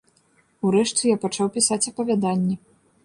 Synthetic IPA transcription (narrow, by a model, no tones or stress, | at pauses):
uɾɛʂt͡sʲɨjapat͡ʂawpʲisat͡sʲɐpɐvʲad̪anʲːɛ